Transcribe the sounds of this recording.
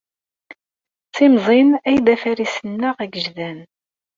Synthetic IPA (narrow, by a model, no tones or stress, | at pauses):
t͡simzˤenæjðæfæɾisənːəʁæɡəʒðæn